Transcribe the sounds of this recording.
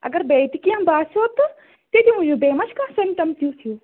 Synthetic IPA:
ɐ̰ɡɐɾbeːt̪ikijãbaːsoːt̪ɐ | t̪ed̪imũjũbeːmɐʃkãːsɪmpʈɐmt̪ʰijũt̪ʰijũː

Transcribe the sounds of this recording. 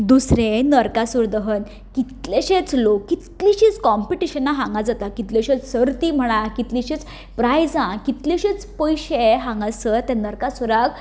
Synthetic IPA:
d̪usɾẽnəɾkasuɾd̪əɦən | kit̪leɕet͡slokːit̪liɕit͡skɔmpiʈiɕənaɦãŋɡad͡zat̪akit̪leɕet͡ssəɾt̪im̤əɽ̃ãkit̪liɕit͡s | pɾajd͡zãkit̪leɕit͡spəjɕeɦãŋɡasət̪ːɛ̃nəɾkasuɾak

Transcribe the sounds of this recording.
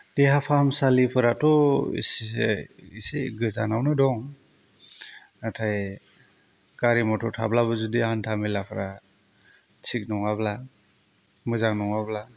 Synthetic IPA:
deɦapʰamsalipʰɯɾatɔḭs | iseɡɯzanawnɯdɔŋ | atʰaj | ɡaɾimɔtʰɔtʰa̰blaβɯzudiantʰamilapʰɯɾa | t͡ʃʰik̚nɔŋabla | mɯzaŋnɔŋabla

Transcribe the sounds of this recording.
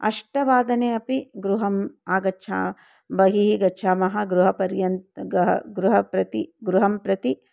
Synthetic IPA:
ɐ̰ʂʈɐʋaːd̪ɐneːɐpiɡɾuɦɐmaːɡɐtːʃʰa̰ː | bɐɦiɦiɡɐːʃʰaːmɐɦɐɡɾuɦɐpɐɾjɐnt̪ɦɐɡɾuɦɐpɾɐt̪iɡɾuɦɐmpɾɐt̪i

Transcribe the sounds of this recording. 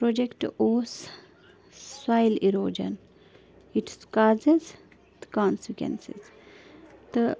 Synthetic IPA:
pɾoːd͡ʒekʈoːs | sʋaɪliɾoːd͡ʒə̰n | iʈskaːzez | d̪ə̥kãːnsikwḛ̃nsḭz | d̪̥ə

